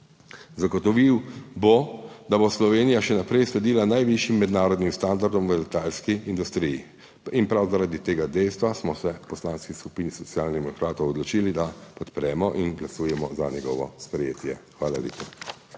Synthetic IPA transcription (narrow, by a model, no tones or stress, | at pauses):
zaɡɔt̪ɔʋiwbod̪aboslɔʋeːnijaʃɛnapɾɛjslɛd̪iːlanajʋiʃimːɛd̪naːɾɔd̪nimst̪and̪aɾd̪ɔmʋəlɛt̪aːlskiind̪ust̪ɾiji | inpɾawzaɾad̪it̪eːɡad̪ɛjst̪ʋasmɔsɛpɔslaːnskisku̥piːnisɔt̪sjaːlnd̪ɛmɔkɾaːt̪ɔwɔd̪lɔt͡ʃilid̪apɔt̪pɾɛːmɔʔinɡlasuːjɛmɔzaɲɛɡɔ̰ʋɔ̰spɾɛjeːt̪jɛ̰xʋaːlalḛːpa